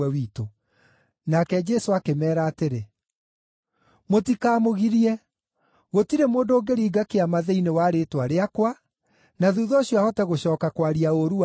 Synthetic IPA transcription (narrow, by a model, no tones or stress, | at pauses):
ɛwiːto | nakɛd͡ʒɛsoakemɛːɾaːteɾe | motikaːmoɣiɾiɛ | ɣotiɾemoːndoːɡeɾiːɡakeamaðeinewaːɾeːtwaɾeakwa | naðuðɔːɕjwahɔtaɣoɕɔːkakwaɾiaoɾua